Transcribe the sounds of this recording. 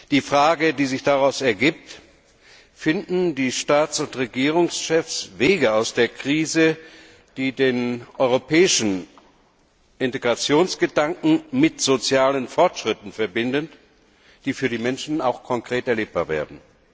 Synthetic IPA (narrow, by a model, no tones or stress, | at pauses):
d̥iːfʁ̥aːɡədiːzɪçd̥aʁaʊsɛɐɡiːp̚t | fɪndn̩diːʃtaːt͡sʊntʁeɡiːʁ̞ʊŋsʃɛfsv̥eːɡəaʊsd̥eːɐkʁ̥iːzə | d̥iːdeːnʔɔʏʁopʰɛːɪʃn̩ | ʔɪnteɡʁat͡sjoːnsɡ̥ədaŋkŋ̩mɪtz̥ot͡sjaːlənfɔɐtʃʁ̥ɪtn̩fɛɐbɪndən | d̥iːfyːɐdiːmɛnʃn̩aʊxkʰɔŋkʁ̥eːtɛɐleːp̚b̥aːɐvḛːɐdn̩